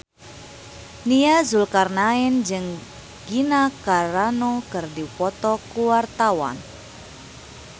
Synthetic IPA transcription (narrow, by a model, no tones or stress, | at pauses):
niazulkarnaɪnd͡ʒɨŋ | ɡ̥inakaɾanɔkɨrdipɔt̪ɔkuwart̪awa̰n